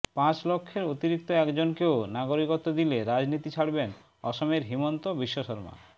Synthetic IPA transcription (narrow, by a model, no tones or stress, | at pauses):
pãt͡ɕlokʰːeɾot̪iɾik̚t̪oɛkd͡ʑonkeonaɡoɾikot̪od̪ileɾad͡ʑnit̪it͡ɕʰaɽben | ɔʃomeɾɦimont̪obiʃːoʃɔɾma̰